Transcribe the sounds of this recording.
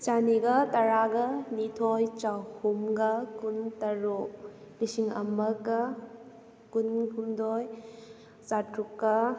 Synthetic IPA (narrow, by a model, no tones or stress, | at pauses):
t͡ʃaniɡɐtɐɾaɡɐnitʰojt͡ʃawhumɡakuntɐɾu | lisiŋɐ̰mɐkːɐ | kunhumdoj | t͡ʃatɾukːɐ